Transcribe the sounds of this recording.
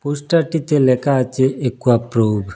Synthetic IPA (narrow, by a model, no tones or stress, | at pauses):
pusʈaʈit̪elekat͡ʃeʔekːuapɾoːb